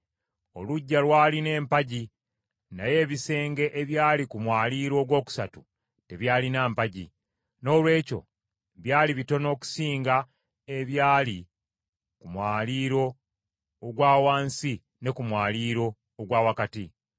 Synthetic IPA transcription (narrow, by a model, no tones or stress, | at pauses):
o̞luɟːalwaːline̞ːmpaɟi | naje̞ːβise̞ːŋɡe̞ʔeβjaːlikumwaːliːɾo̞ːɡwo̞ːku̥satu | te̞βjaːlinaːmpaɟḭ | no̞ːlwe̞ːco̞̰ | βjaːliβito̞no̞ːku̥siːŋɡa | e̞βjaːli | kumwaːliːɾo̞ː | ɡwaːwaːnsi | ne̞kumwaːliːɾo̞ː | ɡwaːwakati